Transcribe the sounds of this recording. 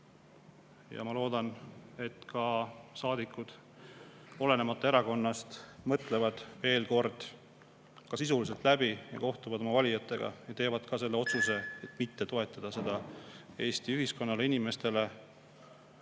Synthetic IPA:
jɑ̰mɑlo̞ːd̪ɑne̞t̪kɑsɑːd̪ikːˑud̪̥ | o̞le̞ne̞mɑt̪ːˑɑe̞ɾɑko̞nːɑst̪mɤt̪ˑle̞vɑd̪̥ve̞ːlko̞rd̪̥ | kɑsisulis̬elt̪ˑlæbijɑ̰ko̞ht̪uvɑd̪o̞mɑvɑlʲijɑt̪ːˑe̞ɡ̥ɑ̰jɑt̪e̞ːvɑd̪̥kɑse̞lːe̞o̞t̪suse̞et̪ːˑmit̪ːe̞t̪o̞e̞t̪ːˑɑd̪̥ɑse̞d̪̥ɑe̞ːst̪iyɦisko̞nːɑle̞inime̞st̪e̞le̞

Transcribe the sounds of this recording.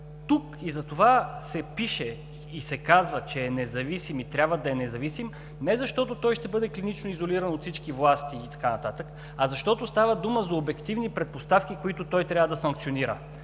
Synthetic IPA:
t̪ukizɐt̪ovasɛpiʃɛ | isɛkazvət͡ʃɛːnɛzɐvisimit̪ɾʲabvəd̪ɐɛnɛzɐvisim | nɛzɐʃt̪ɔt̪ot̪ɔjʃt̪ɛbɤd̪ɛklinit͡ʃnoizoliɾɐnot̪fsit͡ʃkivlˠast̪iːt̪ɐ̥kanɐt̪at̪ək | ɐzɐʃt̪ɔt̪ost̪avəd̪uməzɐobɛkt̪ivnipɾɛt̪̚post̪afkikoit̪ʊt̪ɔjt̪ɾʲjabvəd̪ɐsɐŋkt̪sioniɾə̰

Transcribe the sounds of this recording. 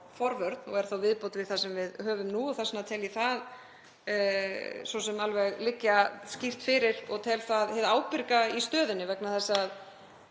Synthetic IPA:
fɔɾvœɾt̪nɔɣɛɾ̥θawvɪðpowt̪vɪðθasɛmvɪðhœːvʏmnuɔθɛsnat̪ʰɛːliθað | sɔsɛmalvɛɣlɪcːascir̥t̪fɪɾɪɾ̥ɔɣt̪ʰɛːlθaðhɛðaːwpɪɾkaist̪œːðɪnːɪvɛknaθɛsːað

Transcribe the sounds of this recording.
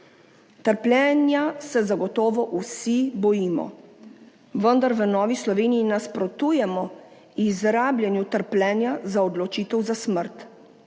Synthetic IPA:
t̪əɾplʲɛːnjasɛzaɡɔt̪ɔːʋɔʔusibɔjiːmɔ̰ | ʋənd̪aɾʋənɔːʋislɔʋeːnijinaspɾɔt̪uːjɛmɔ | izɾaːblʲjɛnjut̪əɾplʲɛːnjazaɔd̪lɔt͡ʃiːt̪ɛwzasməɾt̪

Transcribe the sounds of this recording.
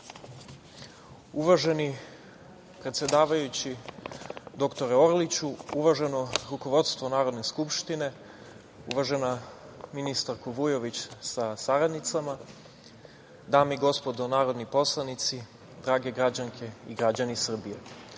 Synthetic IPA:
uʋaʒe̞ni | pɾe̞t̪sje̞d̪aːʋajut͡ɕi | d̪o̞kt̪o̞ɾɛo̞ɾlit͡ɕuuʋaʒeno̞ɾuko̞ʋo̞d̪st̪ʋo̞naːɾo̞d̪neskupʃt̪ine̞ | uʋaʒe̞na | minist̪aɾkoʋujo̞ʋit͡ɕsasaɾad̪nit̪sama | d̪aːmiɡo̞spo̞d̪onaːɾo̞d̪nipo̞slˠanit̪si | d̪ɾaːɡe̞ɡɾad͡ʑaŋkʰe̞iɡɾad͡ʑanisr̩bije

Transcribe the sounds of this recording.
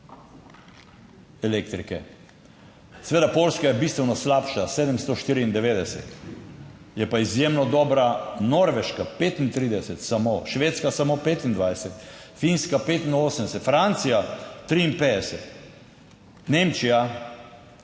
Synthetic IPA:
ɛlek̚t̪ɾikɛ | sɛʋeːd̪apolskajɛbist̪ʋɛwnɔslapʃaseːd̪əmst̪ɔʃt̪iːɾiind̪ɛʋeːd̪ɛsɛ̰t̪ | jɛpaizjemnɔd̪ɔːbɾanɔɾʋɛʃkapet̪int̪ɾid̪ɛsɛt̪samoʃʋeːt̪skasamopeːt̪ind̪ʋajsɛt̪ | finskapeːt̪inoːsəmd̪ɛsɛt̪fɾant̪sijat̪ɾiːnped̪ɛsɛt̪ | nemt͡ʃija

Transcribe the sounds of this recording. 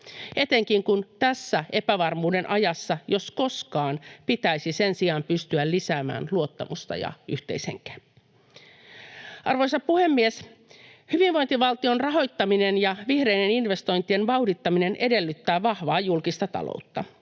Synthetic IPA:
e̞t̪eŋkiŋkunt̪æsːæʔe̞pæʋɑrmuːde̞nʔɑjɑsːɑjo̞sko̞skɑːnpit̪æijsisensiɑmpyst̪yællisæːmæ̰ːnluo̞t̪ːɑmust̪ɑ̰jɑ̰yht̪e̞̰isḛŋkæ̥ | ɑrʋo̞jsɑppuhe̞mːieshyʋiʋʋo̞jnt̪iʋɑlt̪io̞nrɑɦo̞jt̪ːɑmine̞njɑʋihre̞ine̞ninʋe̞st̪o̞jnt̪ie̞nʋɑudit̪ːɑmine̞nʔe̞de̞lːyt̪ːæːʋɑhʋɑːjulkist̪ɑt̪ɑ̰lo̰ut̪ːɑ

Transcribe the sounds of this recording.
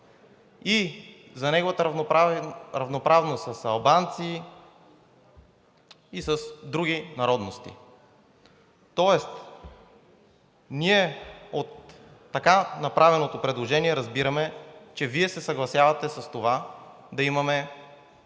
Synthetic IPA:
i | zɐnɛɡovɐt̪ə | ɾɐvnopɾavnost̪sɐsɐlˠbant̪si | sɐsd̪ɾuɡinɐɾɔd̪nost̪ḭ | t̪ɔɛst̪ | niɛot̪ː | ɐkanɐpɾavɛnot̪opɾɛd̪lˠoʒɛniɛɾɐzbiɾɐmɛt͡ʃɛviɛsɛsɐɡlˠɐsjavɐt̪ɛsɐst̪ova | d̪ɐimɐmɛ

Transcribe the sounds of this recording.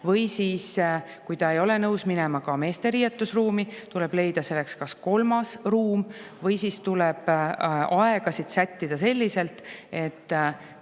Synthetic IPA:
vɤjsiːs | kujt̪ɑe̞jo̞le̞nɤwsmine̞mɑkɑme̞ːst̪e̞ɾijet̪ːˑusruːmit̪ule̞b̥le̞jd̪̥ɑse̞lːe̞kskɑsko̞lmɑsruːm | vɤjsist̪uleb̥ɑe̞ɡ̥ɑsid̪̥sæt̪ʲːid̪̥ɑse̞lʲːise̞lt̪ˑe̞t̪ː

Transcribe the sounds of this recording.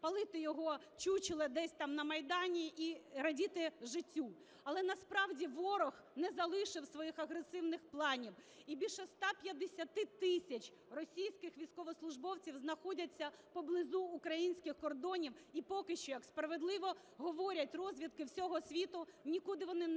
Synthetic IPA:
pɐlˠɪt̪ɪjɔɦɔ | t͡ʃut͡ʃɪlˠɛd̪ɛsʲt̪ɑmnɐmɐjd̪ɑnʲiʔiɾɐdʲit̪ɪʒɪtʲːu | ɐlˠɛnɐspɾɑwdʲiʋɔɾɔx | nɛzɐlˠɪʃɪwsʋɔjixɐɦɾesɪwnɪxplˠɑnʲiw | ibʲilʲʃɔst̪ɑpʲjɐd̪esʲɐt̪ɪt̪ɪsʲɐt͡ʃ | rɔsʲijsʲkɪxʋʲijsʲkɔʋɔslˠʊʒbɔwt͡sʲiwznɐxɔdʲɐt͡sʲːɐpɔblˠɪzuːkɾɐjinʲsʲkɪxkɔrd̪ɔnʲiwipɔkɪʃt͡ʃɔjɐkspɾɐʋed̪lˠɪʋɔ | ɦɔʋɔɾʲɐtʲrɔzʲʋʲid̪̚kɪwsʲɔɦɔsʲʋʲit̪ʊnʲikud̪ɪʋɔnɪ

